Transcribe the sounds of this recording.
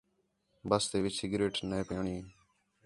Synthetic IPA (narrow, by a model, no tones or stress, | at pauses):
bəst̪eːʋɪt͡ʃsɪɡɾeːʈneːpjːɳĩː